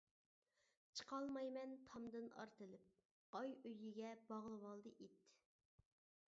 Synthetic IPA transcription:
t͡ʃʰə̥qɑlˠmɑjmɛnt̪ʰɑmd̪ɨnɑ̰ɾt̪ɨlˠɨp̚ | ɑjøjiɡʲɛbɑʁlˠɨwɑlˠd̪ɨʔet̪ː

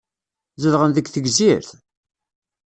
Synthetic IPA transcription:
zəðʁənðəɡθəɡziɾθ

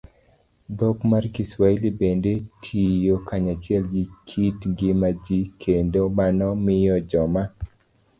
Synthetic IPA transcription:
d̪ɔkmarkiswailibendetʰijokʰaɲat͡ʃjɛlɡikʰitŋɡɪmad͡ʒikʰendomanɔmɪjɔd͡ʒɔma

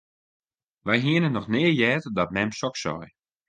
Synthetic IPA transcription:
ʋɛjɦiənənɔxnɪːəjɛːtdɔt̚mɛmsɔksɔ̰j

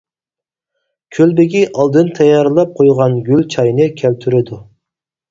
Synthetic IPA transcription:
kʲʰølbɪɡʲiʔɑlˠd̪ɨnt̪ʰɛjɑɾlˠɑp̚qʰojʁɑnɡʲylʲt͡ʃʰɑjnɨkʲʰælt̪ʰyɾɪd̪u

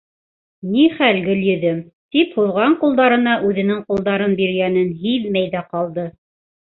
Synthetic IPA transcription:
niχælɡɘljɵ̆ðɘm | t̪iphuðʁɑɴqulˠd̪ɑɾɤ̆nɑʔʉðɘ̆nɘŋqulˠd̪ɑɾɤnbiɾ̆ɡænɘnɦiðmæjðæqɑlˠd̪ɤ

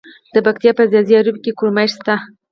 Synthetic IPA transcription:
d̪̥əbakt̪jɑpəzjaziaɾubkekuɾmaʃst̪a

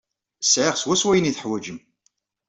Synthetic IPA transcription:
sʕɪʁswæswæjəniθəħwæd͡ʒəm

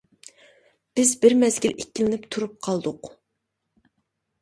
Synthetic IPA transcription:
b̥ɪzbɪɾmɛzɡʲilʔekʲːilɪnɪpt̪ʰuɾup̚qʰɑlˠd̪ʊq

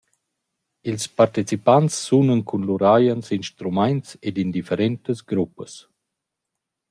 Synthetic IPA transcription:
ilspaɾt̪it͡sipant͡sːunənkʰunluɾajənsinʃt̪ɾumajnt͡sed̪ind̪ifəɾɛnt̪əzɡɾupəs

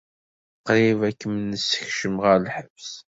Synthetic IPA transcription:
qːɾɪvækːəmənːəsːə̥çʃəmʁəɾlħəvs

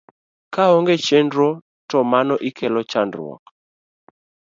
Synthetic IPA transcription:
kaɔŋɡet͡ʃendɾɔ | tɔmanɔʔikʰɛlɔt͡ʃandrwɔ̰k

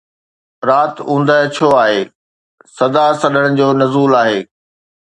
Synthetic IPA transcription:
ɾaːt̪ũːn̆d̪əɦt͡ɕʰoaːɦeː | sɐd̪asɐɗəɽ̃ʊd͡ʑoːnɐzuːlaːɦeː

